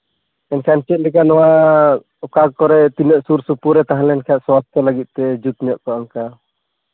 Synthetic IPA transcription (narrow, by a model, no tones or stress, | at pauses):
ɛnkʰant͡ʃɛt̪̚ˀlɛkanɔwa | ɔkaɡkɔɾɛt̪inəʔsuɾsupuɾɛt̪aɦãlɛnkʰaaʔ̪swast̪ʰɔlaɡit̪̚ˀt̪ɛd͡ʒut̪ɲɔʔkɔaŋka